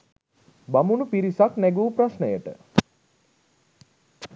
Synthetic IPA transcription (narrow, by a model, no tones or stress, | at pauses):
bamunupiɾisaknɛɡuːprasnəjəʈə̰